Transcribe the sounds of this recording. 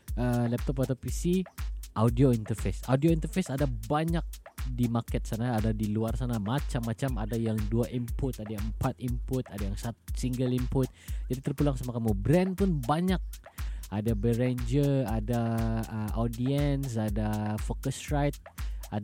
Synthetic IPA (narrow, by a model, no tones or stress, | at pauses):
əlɛp̚t̪ɔpat̪apisiʔawdioint̪ərfesawdioint̪ərfesadabaɲak̚dimakɛt̪̚sanaːdadiluarsanamat͡ʃamːat͡ʃama̰dajaŋduaʔimpʊt̪adajaəmpat̪impʊt̪adajaŋsatsiŋɡəlimpʊt̪̚d͡ʒadit̪ərpulaŋsamakamubɾɛnpʊnbaɲak̚adabəɾend͡ʒəradaəʔodiɛns̬adafokəsɾajt̪̚a